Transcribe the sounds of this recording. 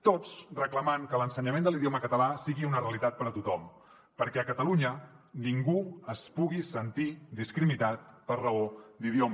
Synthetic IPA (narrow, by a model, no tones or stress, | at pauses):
t̪ot͡srəkləmaŋkələnsəɲəmẽnd̪əliðioməkət̪əlasiɣiunəreəlit̪at̪̚pəɾət̪ut̪ɔm | pəɾkɛəkət̪əluɲəniŋɡuəspuɣisənt̪id̪iskɾiminat̪̚pərrəod̪iðiomə